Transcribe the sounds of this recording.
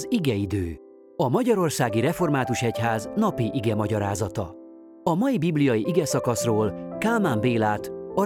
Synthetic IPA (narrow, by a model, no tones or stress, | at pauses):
ziɡɛid̪øː | ɒmɒɟɒɾo̞rsaːɡiɾɛfo̞rmaːt̪uʃɛchaːznɒpiʔiɡɛmɒɟɒɾaːzɒt̪ɒ | ɒmɒjibiblijɒjiʔiɡɛsɒkɒsroːlkaːlmaːmbeːlaːt̪ɒ